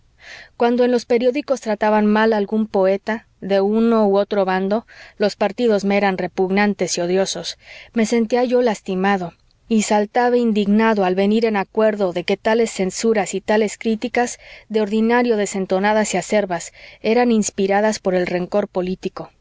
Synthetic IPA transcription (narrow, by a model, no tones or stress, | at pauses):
kwand̪o̞e̞nlo̞spe̞ɾjo̞ðiko̞st̪ɾat̪aβanmalalɣumpo̞e̞t̪a | ðe̞uno̞uo̞t̪ɾo̞βand̪o̞lo̞spaɾt̪iðo̞zmeeɾanre̞puɣnãnt̪e̞sio̞ðjo̞so̞sme̞se̞nt̪iaʝo̞last̪imaðo̞ | isalt̪aβeind̪iɣnaðoalβe̞niɾe̞nakwe̞ɾðo̞ðe̞ke̞t̪ale̞sːe̞nsuɾasit̪ale̞skɾit̪ikazðe̞o̞ɾðinaɾjo̞ðe̞se̞nt̪o̞naðasiase̞ɾβase̞ɾaninspiɾaðaspo̞ɾe̞lre̞ŋko̞ɾpo̞lit̪iko̞